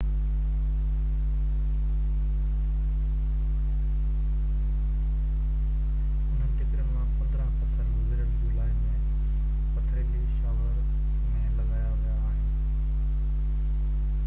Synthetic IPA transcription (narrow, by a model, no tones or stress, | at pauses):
ɦʊn̤ənɪ̆t̪ɪkɪɾənmãpɐt̪ɾãpɐt̪ʰəɾʊ̃mɡɪɾəɽ̃d͡ʑoːlaːɦɪnmẽ | pɐt̪ʰɾeːkiːʃaːʋəɾ | mẽlɐɡaːjaʋɐjaːɦɪnɪnɪ̆